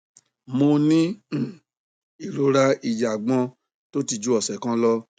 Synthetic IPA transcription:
mo˧nĩ˦˨ | i˨ɾo˧ɾa˧i˨d͡ʒa˨ɡ͡bɔ̃˧˦ | to˦ti˧˨d͡ʒu˦ɔ˦˨sɛ˨kã˦lɔ˦

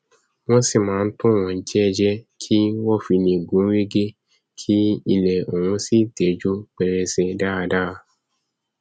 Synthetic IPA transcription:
w̃ɔ̃˦si˦˨mãː˨˦˧n̩˦tũ˦˨w̃ɔ̃˨n̩˦d͡ʒɛ˦˧d͡ʒɛ˦kʰi˦wɔ˦˨fi˧nĩ˧˨ɡũ˨˦ɾe˦ɡe˦ | kʰi˦i˧lɛ˨o˨wũ˧si˦˨te˨˦d͡ʒo˦k͡pɛ˧ɾɛ˧se˧da˦a˧da˦˧

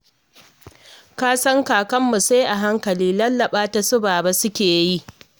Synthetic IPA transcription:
kaː˦sɐ˦ŋkaː˨kɐ˦mːu˨sa˦jʔa˨ɦa˦ŋkɐ˨liː˦lɐ˦lːɐ˨ɓaː˦ta˨sʊ˦baː˨ba˦sʊ˦kʲeː˨ji˦ʔ

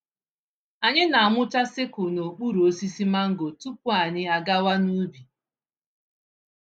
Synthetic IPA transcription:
a˨ɲɪ˦na˨a˨mʊ˦t͡ʃa˦sɪ˦kʊ˨no˨k͡pu˦ɾu˨o˦si˦si˦ma˦ŋ̩˦ɡo˨tu˦p̚ʊ˦a˨ɲɪ˦a˨ɡa˦wa˦nu˦bi˨

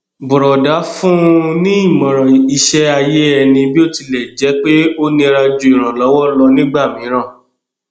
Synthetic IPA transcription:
bu˨ɾɔ˨da˨˦fũ˦nĩ˦i˦˨mã˨ɾ̃ã˨i˧ʃɛ˦a˧je˦ɛ˧nĩ˧bi˦o˦˨ti˧lɛ˨d͡ʒɛ˨˦k͡pe˦o˦nĩ˧ɾa˧d͡ʒu˧i˨ɾ̃ã˨lɔ˨˦wɔ˦lɔ˧nĩ˦ɡ͡ba˦˨mĩ˨˦ɾ̃ã˦˨

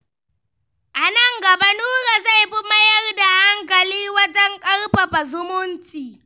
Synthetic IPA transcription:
ʔa˨nɐ˦˨ŋɡɐ˨ba˦nuː˦ɾa˨za˦˨jɸi˦mɐ˦jɐ˦rda˨ha˦ŋkɐ˨liː˦wɐ˦d͡ʒɛ˦ŋkʼɐ˦rɸa˨ɸa˨zʊ˦mʊ˦nt͡ʃiː˨

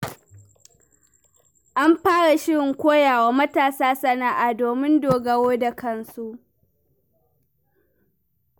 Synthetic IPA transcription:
ʔa˦mɸaː˦ɽa˨ʃɪ˦ɽɪ˨ŋkʷoː˦jaː˨waː˨mɐ˦taː˨saː˦sɐ˦na˦˨ʔa˨doː˨mɪ˦ndoː˨ɡɐ˦woː˦da˨kɐ˦nsu˦ʔ

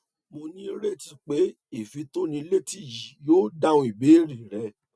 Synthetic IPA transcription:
mo˧nĩ˦ɾe˦˨ti˧k͡pe˨˦ | e˨fi˨˧to˦nĩ˧le˦ti˦˨ji˨joː˦da˦˨ũ˧˦i˨be˨˦ɾi˨ɾɛ˨˧˦

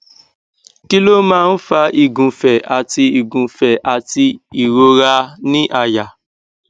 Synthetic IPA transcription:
ki˦lo˦mãː˦n̩˦fa˧ʔi˨ɡũ˨fɛ˨ʔa˨ti˧i˨ɡũ˨fɛ˨ʔa˨ti˧i˨ɾo˧ɾa˧nĩ˦ʔa˨ja˨

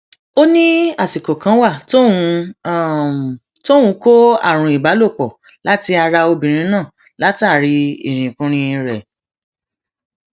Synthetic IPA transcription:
o˦nĩ˦a˦˨si˨ko˨kã˨˧˦wa˦˨t | to˦ũ˧˦ko˦a̰˦˨ɾ̃ũ˧i˨ba˨˦lo˦˨k͡pɔ˨ | la˦ti˧a˧ɾa˧o˧bĩ˨ɾ̃ĩ˧˦nãː˦˨ | la˦ta˦˨ɾi˧ḭ˨ɾ̃ĩ˨kũ˧ɾ̃ĩ˧ĩ˧ɾɛ˨

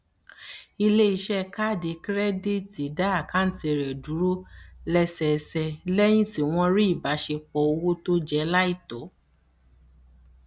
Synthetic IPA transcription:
i˧le˦i˧˦ʃɛ˦ka˦˨de˨˦kɾɛ˦di˦ti˨˦da˦a˦˨ka˦n̩˦ti˧˨ɾɛ˨du˨˦ɾo˦lɛ˧sɛ˧˨˧sɛ˧lɛ˦j̃ĩ˦si˨w̃ɔ̃˧ɾi˦i˦˨ba˨˦ʃe˧k͡pɔ˨˦o˧wo˦to˦d͡ʒɛ˧˦la˦i˦˨tɔ˨˦

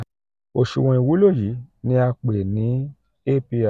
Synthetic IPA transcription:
o˨ʃṵ˨w̃ɔ̃˧i˨wu˨˦lo˦˨ji˨˦nĩ˧˦a˧k͡pe˨nĩ˨˦ | e˦˨pi˧a˨

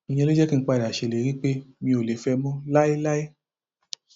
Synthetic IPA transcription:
ĩ˨j̃ɛ̃˧le˦d͡ʒɛ˦kĩ˦˧˦k͡pa˧˨da˨ʃe˧˨le˨˦ɾi˦k͡pe˦mĩ˧o˨le˨˦fɛ˧mɔ̃˦la˦i˦la˦i˦

